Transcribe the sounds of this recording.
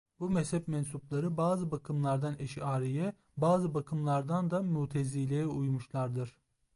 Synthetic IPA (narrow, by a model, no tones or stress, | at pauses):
bumɛshɛpmɛnsuplˠaɾɯbaːzɯbakʰɯmlˠaɾd̪anɛʃaːɾijɛ | baːzɯbakʰɯmlˠaɾd̪and̪amuːt̪ʰezilʲejɛujmuʃlˠaɾd̪ɯɾ̥